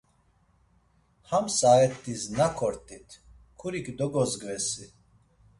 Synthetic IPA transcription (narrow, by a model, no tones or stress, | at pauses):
hamsaɛt̪ʰʼːiznakʰɔɾt̪ʼit̪ʰ | kʰuɾikd̪ɔɡɔzɡvɛsi